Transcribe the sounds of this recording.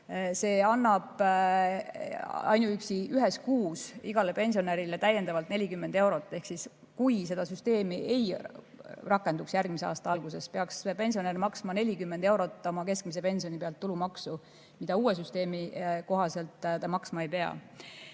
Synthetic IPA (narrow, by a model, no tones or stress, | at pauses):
se̞ːɑnːɑb̥ | ɑ̰jnuyksiyɦe̞skuːsiɡ̥ɑlepe̞nʲsio̞neɾile̞t̪æjːe̞nd̪̥ɑvɑlt̪ne̞lʲikymːe̞nd̪̥e̞wɾo̞t̪ːˑe̞hksis | kujs̬e̞d̪ɑsyst̪e̞ːmiʔe̞j | rɑkːˑe̞nd̪uksjærɡ̥̚mis̬eɑ̰ːst̪ɑɑlɡ̥use̞spe̞ɑkspe̞nʲsio̞nermɑksmɑne̞lʲikymːend̪̥e̞wɾo̞t̪ːˑo̞mɑke̞sk̚mis̬e̞pe̞nsio̞nipeɑlt̪ːulumɑksu | mid̪̥ɑuːes̬yst̪e̞ːmiko̞ɦɑse̞lt̪ːˑt̪ɑmɑksmɑe̞jpe̞ɑ̰